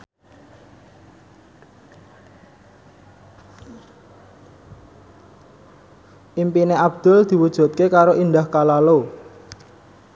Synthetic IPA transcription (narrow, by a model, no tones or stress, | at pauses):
ʔimpineʔab̚d̪̥ʊ̤ld̪̥i̤wud̥ʒ̥ṳt̪̚kekaɾoʔind̪ahkalalo